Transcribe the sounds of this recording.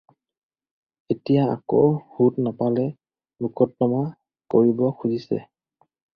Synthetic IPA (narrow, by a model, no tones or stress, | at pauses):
etijaa̰ko̰whutnapalɛ | mukʰɔtːɔma | koɹibɔkʰuzisɛ̰